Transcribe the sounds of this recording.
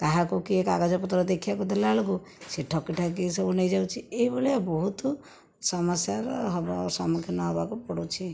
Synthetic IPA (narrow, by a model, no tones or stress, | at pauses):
t̪aɦakukiekaɡad͡ʒɔpɔt̪ɾɔd̪ekʰiakud̪elaloɡu | seʈʰɔkiʈʰak̬isɔbunejd͡ʒawt͡ʃʰieibɔleabɔɦut̪ | sɔmasjaɾɦɔbsɔmukʰjɔnɔɦɔbakupɔɽut͡ʃʰi